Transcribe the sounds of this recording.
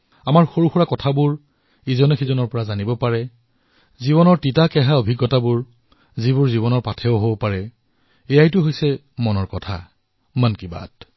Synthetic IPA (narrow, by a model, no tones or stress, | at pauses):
amaɹxoɹuxuɹakɔtʰabʊɹ | izɔnexizɔnɔɹpɔɹazanibɔpaɹɛ | ziβɔnɔɹtitakɛɦaobʱiɡːɔtabʊɹ | zibʊɹziβɔnɔɹpatʰɛʊɦobɔpaɹɛ | ejajtʊɦojsɛ | mɔnɔɹkɔtʰa̰ | mankiba̰t̚